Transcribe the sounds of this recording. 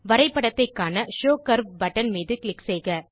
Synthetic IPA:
ʋɐɾɐɪpːɐɽɐt̪ːɐɪkːaːnɐʃoːkɐɾbbɐʈːɐnmiːðɯkɭɪksɛɪɣɐ

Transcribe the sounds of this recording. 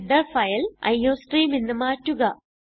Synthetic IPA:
d̪ɐfɐjɐlɐ̰jːoːsʈriːminːɨmaːtːuɣɐ

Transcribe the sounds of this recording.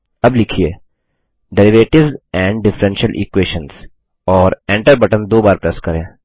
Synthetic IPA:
ɐblɪkʰieː | ɖɛɾɪʋeːʈɪʋzɛ̃ːɳɖɖɪfɾɛ̃nʃəlʔḭkweːʃə̃ns | ɔːɾɛ̃ːɳʈəɾbɐʈə̃md̪oːbaːɾpɾɛskɐɾẽː

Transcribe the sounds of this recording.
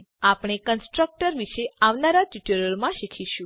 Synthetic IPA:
apɽ̃ekənsʈɾək̚ʈəɾʋiʃeaʋnaɾatiʈəɾəɾmãʃikʰiʃũ

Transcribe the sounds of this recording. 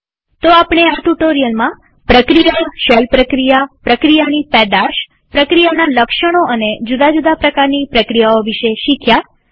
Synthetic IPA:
t̪oapɽ̃eat̪uʈoɾijəlmã | pɾəkɾijaʃɛlpɾəkɾijapɾəkɾijanipɛd̪aʃ | pɾəkɾijanaləkʃəɽ̃oʔəned͡ʒud̪ad͡ʒud̪apɾəkaɾnipɾəkɾijaoʋiʃeʃikʰja

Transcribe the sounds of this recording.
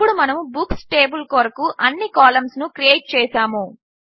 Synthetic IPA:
uɽumɐnɐmubuksʈeːbulkoɾɐkuʔɐnːikaːlɐmsnukɾijeːʈ̚t͡ʃɛːsaːmu

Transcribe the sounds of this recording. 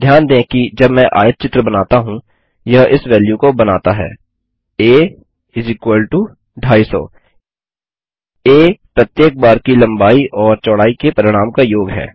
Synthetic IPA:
d̪ʱjaːnd̪ẽːkid͡ʒɐbmɛ̃ʔa̰ːjət̪̚t͡ʃɪt̪ɾəbɐnaːt̪aɦũ | jɐɦɪsʋɛːljukobɐnaːt̪aɦɛ̰ː | eː | ɪzɪkwəlʈu | ɖʱaːisɔ̰ː | eːpɾɐt̪jeːk̚baːɾkilɐ̃mbaːiʔɔːɾt͡ʃɔːɽaːikepɐɾɪɽ̃aːmkajoːɡɦɛ̰ː

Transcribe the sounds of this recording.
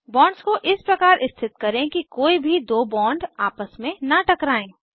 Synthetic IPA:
bɔːɳɖskoʔɪspɾɐkaːɾʔɪst̪ʰɪt̪kɐɾẽkikoːibʱid̪oːbɔ̃ːɳɖaːpəsmẽnɐʈɐkɾaːẽː

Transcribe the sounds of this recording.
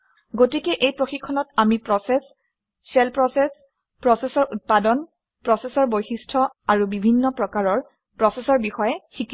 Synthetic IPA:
ɡotikɛʔejpɹoxikʰːɔnɔtamipɹɔsɛs | sɛlpɹɔsɛs | pɹɔsɛsɔɹʔut̚padɔn | pɹɔsɛsɔɹbojxistʰɔaɹubibʱinːɔpɹɔkaɹɔɹ | pɹɔsɛsɔɹbixɔjɛxiki

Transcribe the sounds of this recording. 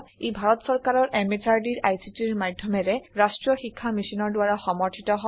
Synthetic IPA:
ejbʱaɹɔtsɔɹkaɹɔɹʔɛmesʰaɹdiɹajsitiɹmadʱjɔmɛɹɛɹasʈɹɔxikʰːamisinɔɹdʊwaɹaxɔmɔɹtʰitɔɦɔ

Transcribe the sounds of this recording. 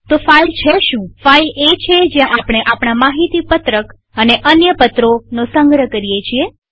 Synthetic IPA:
t̪ofailt͡ʃʰeʃũfailet͡ʃʰed͡ʒjãʔapɽ̃eʔapɽ̃amaɦit̪ipət̪ɾək | əneʔənjəpət̪ɾonosəŋɡʱɾəkəɾijet͡ʃʰie

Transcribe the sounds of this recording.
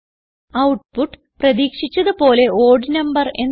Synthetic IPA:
ɐwʈ̚puʈː | prɐðiːkʂit͡ɕːɐðɨpo̞ːle̞oːɖnɐmbɐre̞nː

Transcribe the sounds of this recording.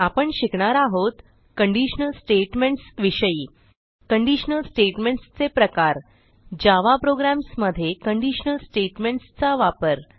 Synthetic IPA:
apəɳɕikɳaɾaɦot̪ | kəɳɖiɕnəlsʈeʈmeɳʈsʋiɕəiː | kəɳɖiɕnəlsʈeʈmeɳʈst͡sepɾəkaɾ | d͡ʑaʋapɾoɡɾæmsməd̪ʱːjekəɳɖiɕənəlsʈeʈmeɳʈst͡saʋapəɾ

